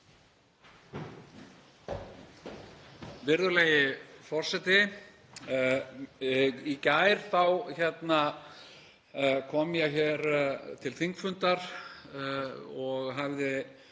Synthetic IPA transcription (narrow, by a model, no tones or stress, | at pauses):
vɪɾðʏleːjɪfɔr̥sɛt̪ɪ | icaːjɾ̥θawçɛt̪na | kʰɔmjɛçɛɾt̪ʰɪlθiŋkfʏnt̪aɾ̥ | ɔɣɦavðɪ